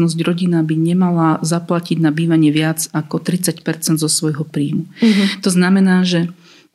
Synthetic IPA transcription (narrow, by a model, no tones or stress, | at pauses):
nɔzɟɾɔɟinabiɲɛmalazaplaciɟnabiːʋaɲɪɛʋɪad͡zakɔt̪ɾit͡sacpɛɾt͡sɛnd̪zɔsʋɔjɦɔpɾiːmut̪ɔznamɛnaːʒɛ